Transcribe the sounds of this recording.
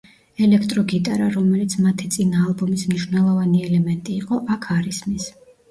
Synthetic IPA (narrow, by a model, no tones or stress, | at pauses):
ɛlɛkʰt̪ʼɾɔɡit̪ʼaɾaɾɔmɛlit̪sʰmat̪ʰit̪sʼinaːlˠbɔmismniʃwnɛlˠɔvaniɛlɛmɛnt̪ʼiːqʼɔʔakʰaɾismis